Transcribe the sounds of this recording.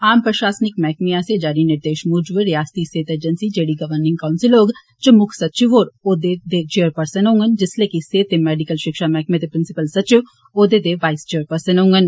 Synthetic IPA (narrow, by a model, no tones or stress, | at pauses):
aːmpɾəʃaːsnɪkmɛːkmijased͡ʒaːɾinɪɾd̪eːʃmud͡ʒʋeɾijaːst̪iseːt̪eːd͡ʒənsid͡ʒeːɽiɡɐʋəɾnɪ̃ŋɡkaʊnsɪloːɡ | t͡ʃəmʊkʰsɐtːt͡ʃiʋɦoːɾoːd̪ed̪et͡ʃijəɾpəɾsənɦoũŋɡənd͡ʒɪslekiseːt̪ːemɛːɖikəlʃɪkʃamɛːk̚met̪epɾɪnsɪpəlsɐtːt͡ʃi | oːd̪ed̪eʋaːɪst͡ʃiəɾpəɾsənɦoũŋɡən